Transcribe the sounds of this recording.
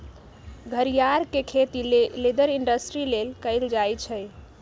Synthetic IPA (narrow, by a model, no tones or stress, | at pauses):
ɡʱəɾijaɾkekʰet̪ileled̪əɾiɳɖəsʈɾilelkəɪld͡ʒajt͡ʃʰəj